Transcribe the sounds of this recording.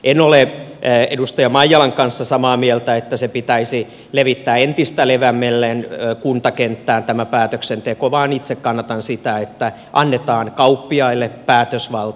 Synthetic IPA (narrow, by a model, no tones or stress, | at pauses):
ʔenoleedust̪ɑjɑmɑijːɑlɑŋkɑnsːɑsɑmɑːmielt̪æet̪ːæsepit̪æisi | leʋit̪ːæːent̪ist̪æleʋæmːelːenːkunt̪ɑkent̪ːæːnt̪æmæpæːt̪øksent̪ekoʋɑːnit̪sekkɑnːɑt̪ɑnsit̪æet̪ːæ | ʔɑnːet̪ɑːnkɑupːiɑilːepæːt̪øsʋɑlt̪